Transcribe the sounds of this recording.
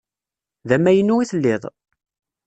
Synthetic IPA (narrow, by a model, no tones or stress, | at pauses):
ðæmːæjənːuiθəlːɪðˤ